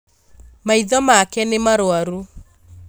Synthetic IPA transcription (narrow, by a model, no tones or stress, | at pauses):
maiðɔmakɛnemaɾoaɾu